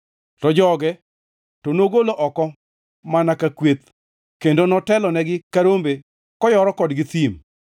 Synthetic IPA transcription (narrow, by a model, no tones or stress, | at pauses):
tɔd͡ʒɔɡɛ | tonoɡoloʔɔkɔ | manakakwet̪ | kendonɔtɛlɔnɛɡɪkaɾombe | kɔjɔɾɔkɔdɡɪt̪im